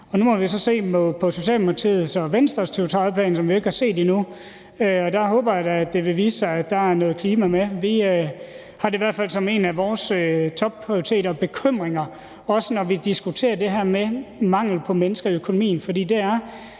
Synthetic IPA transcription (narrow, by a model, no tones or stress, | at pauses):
ɒ̽numɒ̽ʋisɒ̽se̝̰ːmɒ̽pʰɒ̽so̝ɕɛ̰ːlmult͡sʰḭð̩ˠsɒ̽ʋensd̥ʁɐst͡sʰeʊt͡sʰʁɑ̈ɪpʰlɛ̰ːnsɒ̽mʋie̝ɡ̥əhɑ̈se̝̰ːd̥inu | øɒ̽d̥ɑ̈ɦɔ̽ːb̥ɐjadd̥e̝ʋe̝ʋiːsɑɪædd̥ɑ̈æɐnɔ̽ːð̩kʰliːmæmeʋiø | hɑ̈ɾeiʋæɐd̥fæl̰sɒ̽me̝ːnæʋɒːsøt͡sʰɒ̽b̥̚pʰʁioit͡sʰe̝̰ːɾɐɒb̥e̝kʰøm̰ʁeŋɐ | ɒ̽sənɒʋid̥isɡ̥ut͡sʰe̝̰ːɐd̥e̝ɦæɐ̰memɑ̈ŋ̰l̩pʰɒ̽menəsɡ̥ɐiøkʰo̝nomḭːn̩fɒdḭːd̥e̝æɐ